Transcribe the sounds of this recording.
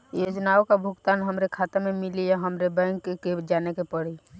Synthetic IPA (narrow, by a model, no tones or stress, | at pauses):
jod͡ʒnaokabʱʊɡt̪aːnɦəmɾekʰat̪ememilijaɦəmɾebɛ̃ŋkked͡ʒanekepəɽi